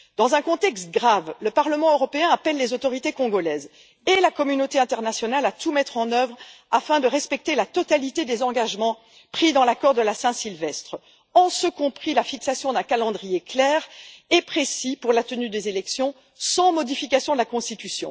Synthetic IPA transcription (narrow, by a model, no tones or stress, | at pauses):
d̪̥ɑ̃zɛ̃kɔ̃t̪ɛkst̪̚ɡʁavləpaʁləmɑ̃øʁɔpeɛ̃apɛlːezot̪ɔʁit̪ekɔ̃ɡɔlɛːz | elakɔmynot̪eɛ̃t̪ɛʁnasjɔnalat̪umɛt̪χɑ̃nœvʁafɛ̃d̪əʁɛspɛk̚t̪elat̪ɔt̪alit̪ed̪ezɑ̃ɡaʒmɑ̃ | pχid̪ɑ̃lakɔʁd̪əlasɛ̃silvɛst̪χ | ɑ̃səkɔ̃pχilafiksasjɔ̃d̪ɛ̃kalɑ̃d̪ʁijeklɛːʁepχesipuʁlat̪ənyd̪ezelɛksjɔ̃ | sɑ̃mɔd̪ifikasjɔ̃d̪əlakɔ̃st̪it̪ysjɔ̰̃